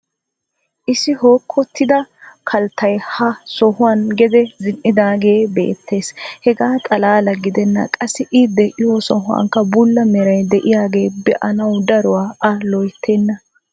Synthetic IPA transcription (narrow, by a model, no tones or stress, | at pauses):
ʔɪsɪhoːkʰːɔt̪ːɪd̪ɐkʰɐlt̪ʰːɐjhɐsɔhʊwanɡɛd̪ɛzɪnːɪd̪aːɡe̞ːbe̞̰ːt̪ʰːe̞ːshɛɡaːt̪ʼɐlaːlɐɡɪd̪ɛnːɐ̰kʼɐsːɪʔɪd̪ːɛʔɪhɔsɔɦʊɐ̰ŋkːɐbʊlːɐmɛɾɐjd̪ɛʔɪjaːɡe̞ːbɛʔɐnɐwd̪ɐɾʊwaːɐlɔjt̪ʰːeːnːɐ